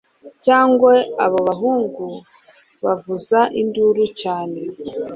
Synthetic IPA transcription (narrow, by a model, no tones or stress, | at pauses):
caːŋɡweaβo̞βaɦuːŋɡu | βavuzaʔinduɾucaːne̞